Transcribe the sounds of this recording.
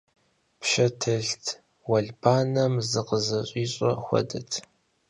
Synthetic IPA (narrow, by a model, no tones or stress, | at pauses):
pʃɐtʰɐɬtʰ | wɐɮbʰaːnɐmzɨqəzɐɕʼiːɕʼɐxʷɔ̰dɐtʰ